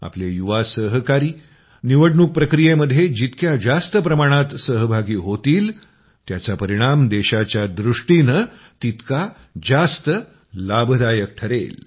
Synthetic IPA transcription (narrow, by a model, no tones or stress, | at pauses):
a̰plejuʋasəɦəkaɾiː | niʋəɽɳuk̚pɾəkɾijeməd̪ʱjed͡ʑit̪kjad͡zast̪əpɾəmaɽ̃at̪səɦəbʱaɡiːɦot̪iːl | t̪jat͡sapəɾiɽ̃amd̪eɕat͡ɕjad̪ɾuʂʈinə | t̪it̪ka | d͡zast̪ə | labʱd̪ajək̚ʈʰəɾḛl